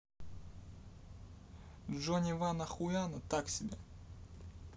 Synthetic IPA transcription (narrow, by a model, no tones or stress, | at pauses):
ʐonʲɪvanɐxʊjanət̪aksʲɪbʲe